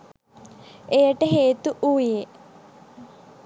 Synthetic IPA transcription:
ejəʈəɦeːt̪uʔuʋije

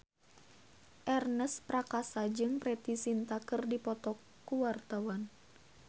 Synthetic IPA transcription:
ʔɛrnəspɾakasad͡ʒɨŋpɾɛt̪isint̪akɨrdipɔt̪ɔkːuwart̪awan

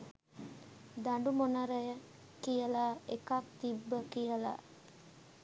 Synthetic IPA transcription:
d̪aɳɖumonəɾəjə | kijəlaːekak̚t̪ibːəkijəla̰

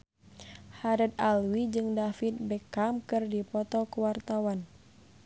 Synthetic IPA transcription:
haɾɛd̪alwid͡ʒɨŋdafit̪̚bɛkamkɨrdipɔt̪ɔkuwart̪awan

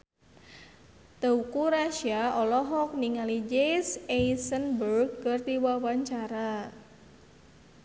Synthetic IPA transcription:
t̪əukuɾaʃiaɔlɔɦɔk̚niŋalid͡ʒejsejsənbərɡ̚ːərd̪iwawaɲt͡ʃaɾa

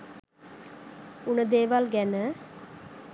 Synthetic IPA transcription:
unəd̪eːʋalɡænə

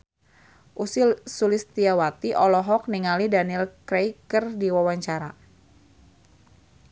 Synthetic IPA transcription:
ʔusisulɪst̪iawat̪iʔɔlɔɦɔk̚niŋalidanilkɾejkərdiwawaɲt͡ʃaɾa

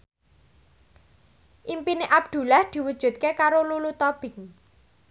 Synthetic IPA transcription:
ʔimpineʔab̚d̪̥ṳlahd̪̥i̤wud̥ʒ̥ṳt̪̚kekaɾolulut̪ɔb̥ɪ̤ŋ

